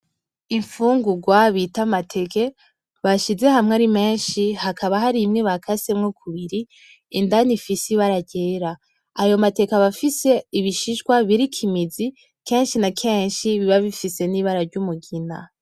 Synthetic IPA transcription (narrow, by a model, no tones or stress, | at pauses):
iɱfuːŋɡuɡwaβitamatʰe̞ke̞ | βaʃize̞hamŋaɾime̞ːnʃihakʰaβaɦaɾimŋeβakʰasemŋokʰuβiɾiː | ndanifisiβaɾaɟeːɾa | ajo̞mate̞kaβafise̞iβiʃiʒɡwaβiɾikʰimizi | ke̞ːnʃinakʰe̞ːnʃiβiβaβifise̞niːβaɾaɾɟumuɡina̰